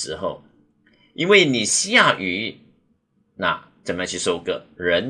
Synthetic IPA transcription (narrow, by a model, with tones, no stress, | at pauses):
ɻ̩˧˦xo˥˩ʊ | i˦˥nwe˥˩ɪni˨˩ɕi˥ja˥˩ʔy˨˥˦ | na̰˨˩ | t͡sə˨˩m˧jt͡ɕʰy˥˧˩ʂo˥ʊɡə̰˧˩ɻə˧˦n